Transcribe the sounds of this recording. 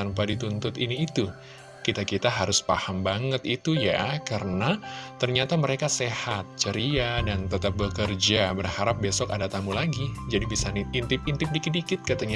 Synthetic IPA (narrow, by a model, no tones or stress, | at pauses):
anpadit̪unt̪ʊt̪iniːt̪u | kit̪akit̪aɦaɾʊspahambaŋət̪it̪ujakaɾənat̪ərɲat̪aməɾekasehat̪̚t͡ʃəɾiadant̪ət̪ap̚bəkərd͡ʒabərhaɾap̚besɔkadat̪amulaɡid͡ʒadibisaniint̪ɪp̚int̪ɪp̚dikɪt̪̚dikɪt̪̚kat̪aɲa